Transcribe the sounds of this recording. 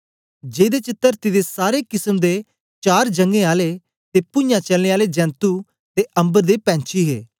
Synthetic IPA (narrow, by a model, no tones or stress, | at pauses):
d͡ʒeːd̪eːt͡ʃɪt̪ːəɾt̪ɪd̪esaːɾeːkɪsəmd̪eː | t͡ʃaːɾd͡ʒəŋɡẽːaːle | t̪epʊ̃jãːt͡ʃəlneːaːled͡ʒɛ̃ːnt̪uː | t̪eʔə̃mbəɾd̪eːpɛ̃ːnt͡ʃʰiːɦḛː